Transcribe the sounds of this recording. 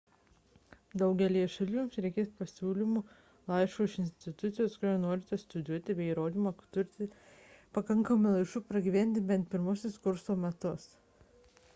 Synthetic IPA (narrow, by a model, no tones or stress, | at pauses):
d̪ɐʊɡʲɛlʲiːɛʃɐlʲuːmsɾʲɛɪkʲeːspɐsʲuːlʲimu | lˠɑˑɪʃʋoːɪʃɪnʲsʲt̪ʲɪt̪ʊt̪sʲɪjoːskʊɾʲoːnoːɾʲɪt̪ʲɛst̪ʊd̪ʲuɔt̪ʲɪbʲɛɪiɾoːd̪ʲiːmɐt̪ʊɾʲt̪ʲɪ | pɐkɐŋkɐmʊlˠɐɪʃuːpɾɐɡʲiʋʲænʲt̪ʲɪbʲɛnt̪̚pʲɪɾmʊsʲʊskʊɾsoːmʲɛt̪ʊs